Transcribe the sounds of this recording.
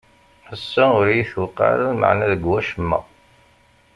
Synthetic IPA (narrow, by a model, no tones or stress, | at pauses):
æsːaʊɾjiθwəqːɑ̰ɾalmə̰ʕnæðəɡwæʃəmːæ̰